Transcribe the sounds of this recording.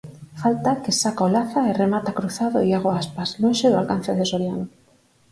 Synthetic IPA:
falt̪akesakaolaθaeremat̪akɾuθaðo̰iaɣ̞oaspaslonʃeðoa̰lkan̟θeðesoɾjano

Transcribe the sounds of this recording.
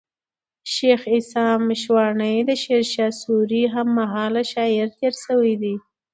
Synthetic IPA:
ʃexɪsɑmʃwɑɳəjd̪əʃeɾʃɑsuɾiɦamːaɦɑlaʃɑɪɾt̪eɾsəwid̪i

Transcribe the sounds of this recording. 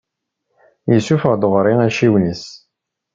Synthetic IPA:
jəsufʁd̪oʁɾiæʃiwnis

